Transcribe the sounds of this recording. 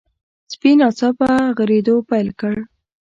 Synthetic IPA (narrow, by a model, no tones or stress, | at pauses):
spinɑt͡sɑpəɣəɾed̪opajlkəɽ